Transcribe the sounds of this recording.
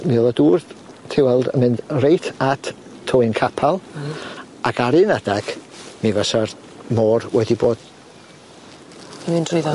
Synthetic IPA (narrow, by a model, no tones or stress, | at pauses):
miolˠaduːr | tʰɪwɛlˠdə̰nmɨnd̥rejtʰatʰ | tʰːɔɨnkʰapʰalˠ | aɡaɾɨnad̥aɡ̥mivəsar | mɔːrwɛdiboːd̥ | mɪndrʊða